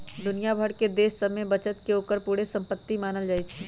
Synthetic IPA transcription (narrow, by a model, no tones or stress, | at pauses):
d̪ʊnijabʱəɽked̪eːsːəmebɐt͡ʃət̪keoːkəɾpuːɽesɐ̃mpət̪ːimaːnəld͡ʒaːit͡ʃʰɛ